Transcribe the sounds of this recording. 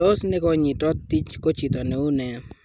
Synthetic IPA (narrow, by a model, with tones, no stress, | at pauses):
o˦sne˦ko˦ɲi˨tɔ˦t̪ːi˦t͡ʃko˦t͡ʃi˨t̪ɔ˨nɛ˨u˦nɛ˨˦